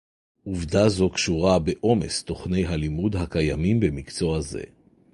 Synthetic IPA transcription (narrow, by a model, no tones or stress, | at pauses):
ʔuvdazo̞kʃuʁabe̞ʔo̞me̞̰st̪o̞χne̞jɦalimudɦakajamimbe̞mikt͡so̞aze̞̰